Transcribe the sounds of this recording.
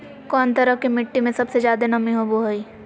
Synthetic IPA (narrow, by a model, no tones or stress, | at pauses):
kɔːnt̪ɐɾəkimɪʈːimẽsɐbsezjaːd̪enɐmĩɦoboɦoiː